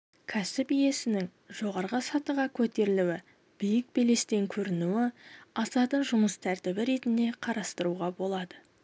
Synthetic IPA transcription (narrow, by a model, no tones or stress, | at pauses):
kʲʰæsɪpije̞sɪnɪŋ | ʒ̥o̞ʁɑɾʁəsɑt̪əʁɑkʲʰɵt̪e̞ɾɪluwɪ | b̥ijɪk̚bele̞st̪e̞ŋkʲʰɵɾɪnuwɪɑsɑt̪əɴʒʊməst̪ʰæɾt̪ɪbɪɾe̞t̪ɪnd̪e̞qʰɑɾɑst̪əɾuʁɑbo̞lˠɑd̪ə